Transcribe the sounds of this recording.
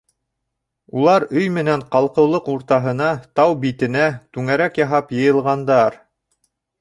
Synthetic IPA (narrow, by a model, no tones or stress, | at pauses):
ulˠɑɾɵjmɘ̆næɴqɑlˠqɤ̆wlˠɤquɾt̪ɑɦɤ̆nɑt̪ɑwbit̪ɘ̆næt̪ʉŋæɾækjɑɦɑpjɤ̆jɤ̆lˠʁɑnd̪ɑɾ